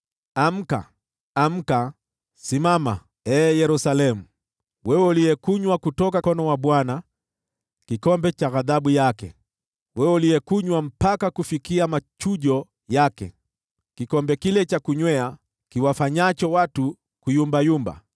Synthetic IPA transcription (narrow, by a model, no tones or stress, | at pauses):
am̩ka̰ː | m̩ka | simama | ɛːjɛɾusalɛmu | wɛwɛulijɛkuɲwakutɔkakɔnɔwaɓwana | kikɔmbɛt͡ʃaɣaðaɓujakɛ̰ | wɛwɛuliɛkuɲwam̩pakakufikiamat͡ʃuʄɔ | jakɛ̰ | kikɔmbɛkilɛt͡ʃakuɲwɛa | kiwafaɲat͡ʃɔwatu | kujumbajumba̰